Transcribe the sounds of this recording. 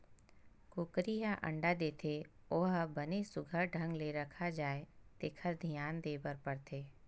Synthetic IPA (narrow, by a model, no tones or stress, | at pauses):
kʊkɾiɦaʔə̰̃ɳɖad̪eːt̪ʰe | oːɦbənesʊɡʱəɾɖʱə̃ŋɡleɾɐkʰad͡ʒaːet̪ekʰəɾd̪ʱijaːnd̪eːbəɾpəɽt̪ʰeː